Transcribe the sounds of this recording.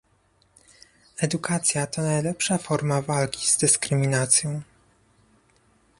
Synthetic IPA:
ɛd̪ukat̪sʲjat̪ɔnajlɛpʂafɔɾmavalkʲi̥z̥d̪ɘskɾɘmʲinat̪sʲjɔ̃w̃

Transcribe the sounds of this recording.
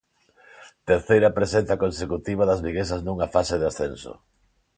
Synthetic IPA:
t̪eɾθejɾɐpɾesen̟θjɐkonsekut̪iβ̞ɐðɐzβiɣesɐznuŋafaseðasθenso̰

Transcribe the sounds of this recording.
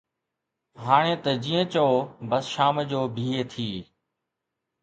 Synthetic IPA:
ɦaːɽ̃ẽːt̪əd͡ʑĩːə̃t͡ɕəoːbəsʃaːmd͡ʑoːbʱiːeːt̪ʰiː

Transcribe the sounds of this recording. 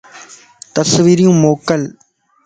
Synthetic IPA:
t̪əsʋiːɾijũːmoːkəl

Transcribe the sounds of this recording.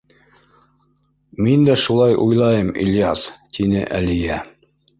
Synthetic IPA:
mind̪æʃulˠɑjʔujlˠɑjɤmḭljɑst̪ʰinɘ̰ʔælijæ

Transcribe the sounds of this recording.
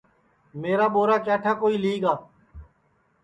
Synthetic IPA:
meːɾaːɓoːɾaːkɛːʈʰaːkoːiːliːɡaː

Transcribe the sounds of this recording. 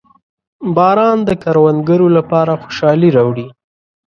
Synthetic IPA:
bɑɾɑnd̪əkaɾwand̪ɡəɾolapɑɾaxo̥ʃɑliɾɑwɽi

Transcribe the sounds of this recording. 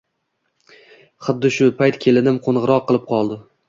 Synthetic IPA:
χʊd̪ːɪʃʊpʰajt̪kʲʰe̞lɪnɪmqʰonʁɨɾɒqʰːɨlˠɪp̚qʰɒlˠd̪ɪ

